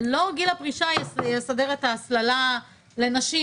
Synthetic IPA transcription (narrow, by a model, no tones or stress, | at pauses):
lo̞ɡilapʁiʃajjesadeʁetaːslala | le̞naʃi